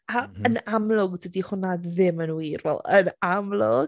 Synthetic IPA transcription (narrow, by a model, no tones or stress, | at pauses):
aənamlˠʊɡdədiχʊnadðɪmənwiɾvɛ̰lˠənamlˠʊɡ